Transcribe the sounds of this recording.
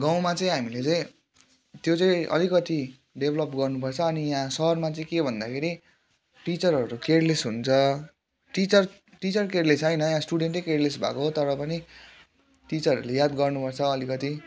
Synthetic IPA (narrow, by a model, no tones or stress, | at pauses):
ɡaw̃mat͡sʌĩɦamilet͡sʌĩ | t̪jot͡sʌĩʔʌ̰likʌt̪i | ɖebʱlʌpɡʌrnupʌrt͡sʰʌːnijãsʌɦʌrmat͡sʌĩkebʱʌnd̪akʰeɾi | ʈit͡sʌrʌɾukerlesɦunt͡sʰʌ | ʈit͡sʌr | ʈit͡sʌrkeɾlesʌjnʌjãsʈuɽeɳʈʌjkeɽlesbʱa̰koɦot̪ʌɾʌpʌni | ʈit͡sʌɾʌ̰ulejad̪ɡʌrnupʌrt͡sʰʌːlikʌt̪i